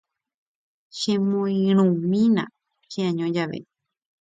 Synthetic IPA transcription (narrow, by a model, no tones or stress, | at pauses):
ʃẽmõĩɾ̃ũmĩnã̰ | ʃeãɲõd͡ʒaʋḛ